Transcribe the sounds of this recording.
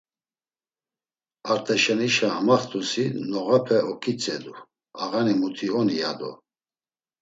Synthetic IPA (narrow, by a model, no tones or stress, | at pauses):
aɾt̪ʼɛʃɛniʃaːmaχt̪ʰʼusinɔɣapʰɛʔɔkʰʼit͡sʼɛd̪u | aɣanimut̪ʰiɔnijad̪ɔ̰